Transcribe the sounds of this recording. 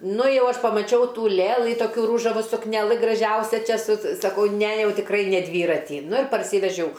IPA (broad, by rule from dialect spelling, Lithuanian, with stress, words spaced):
ˈnʊ ˈjɛʊ ˈɐʃ pɐmɐˈt͡ʃʲɛʊ ˈtuː ˈlʲeːlˠɨ ˈtoːkʲʊ ˈruːʒɐʋʊ sʊknʲɛˈlˠɨ ɡrɐˈʒʲɛʊsʲɛ ˈt͡ʃʲɛ sʊ sɐˈkɐʊ ˈnʲɛ ˈjɛʊ tʲɪkˈrɐɪ nʲɛ ˈdʲʋʲiːrɐtʲiː ˈnʊ ɪr pɐrʲˈsʲiːʋʲɛʒʲɛʊ